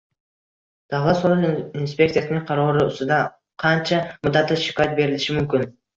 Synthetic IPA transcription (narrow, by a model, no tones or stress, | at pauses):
d̪̥ɑvlˠat̪soɾʊlinspʲe̞kt̪ijasɪnɪŋqʰɑɾɒɾɪʊ̰st̪ɪd̪a | qʰɑnt͡ʃʰamʊd̪ːat̪lɪʃɪ̥kʰɒjat̪̚be̞ɾɪlɪʃɪmʊmkʲɪn